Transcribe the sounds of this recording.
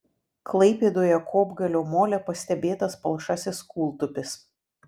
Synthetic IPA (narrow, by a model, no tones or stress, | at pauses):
klˠɐɪpʲeːd̪oːjɛkʰoːbɡɐlʲoːmoːlʲɛpɐsʲt̪ʲɛbʲeːt̪ɐspɐlˠʃɐsʲɪskuːlˠt̪ʊpʲɪs